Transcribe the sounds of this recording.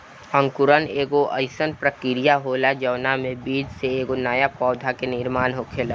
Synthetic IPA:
ə̃ŋkʊɾəneːɡoʔəɪsənpɾəkɪɾijaɦoːlad͡ʒɐʋnamẽbiːd͡ʒseeːɡonaːjapɔːd̪ʱakenɪɾmaːnɦokʰeːla

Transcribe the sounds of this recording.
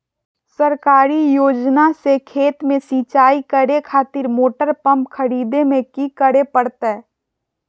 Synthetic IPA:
səɾkaːɾijoːd͡ʒnasekʰeːt̪mẽsiːt͡ʃaːikəɾekʰaːt̪ɪɾmoːʈəɾpɐ̃mpkʰəɾiːd̪emẽkikəɾepəɽt̪aɦɛ

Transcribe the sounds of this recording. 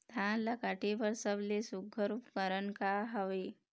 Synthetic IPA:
t̪ʰãlakaʈeʋəɾsəblesuɡʱəɾupkəɾənkaɦəʋe

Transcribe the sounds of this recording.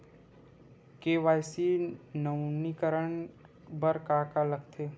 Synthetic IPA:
keːʋaːjsinəʊnikəɾəɳ | bəɾkaːkaləɡt̪ʰeː

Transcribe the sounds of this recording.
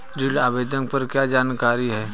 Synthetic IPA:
ɾilaːbeːd̪ənpɐɾkjaːd͡ʒaːnkaːɾiɦɛː

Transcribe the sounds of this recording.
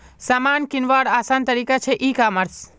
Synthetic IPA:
saːmankinʋaːɽaːsant̪əɾikat͡ʃʰeʔikaməɾs

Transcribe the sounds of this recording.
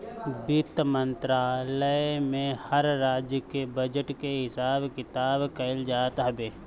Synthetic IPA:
bɪt̪mə̃nt̪ɾaːləmẽhəɾːaːd͡ʒjəkebəd͡ʒəʈkeɦɪsaːbkɪt̪aːbkɐɪld͡ʒaːt̪ɦɐbeː

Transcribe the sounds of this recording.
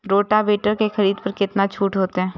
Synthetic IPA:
ɾoːʈabeːʈəɾkexɐɾiːd̪pɐɾkɪt̪nat͡ʃʰuːʈɦoːt̪eɦɛ̃ː

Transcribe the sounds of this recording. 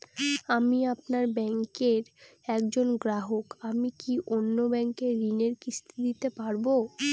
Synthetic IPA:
amiapnaɾbɛŋkeɾ | ɛkd͡ʑonɡɾaɦokamikiʔonːobɛŋkeɾineɾkist̪ʰid̪it̪epaɾbo

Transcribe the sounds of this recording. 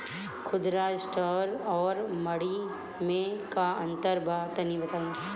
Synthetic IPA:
kʰʊd̪ɾaɪsʈɔːɾɔːɾmɐɽi | mẽkaɐ̃nt̪əɾbʱaːt̪ɐnibɐt̪aːjo

